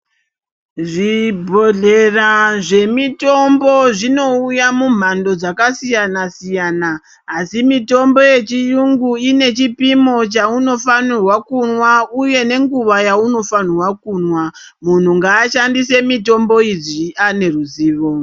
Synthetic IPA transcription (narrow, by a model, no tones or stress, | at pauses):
ʐibʱo̞ɮe̞raʐe̞mito̞mbo̞ʐino̞ujamum̤ando̞d͡zakasijanasijaːnaː | simito̞mbo̞je̞t͡ʃijuŋɡuine̞t͡ʃipimo̞t͡ʃauno̞fanirwakunwauje̞ne̞ŋɡuʋajauno̞fan̤irwakunwa | mun̤uŋɡaːʃandise̞mito̞mbo̞iʐiane̞ruziːʋo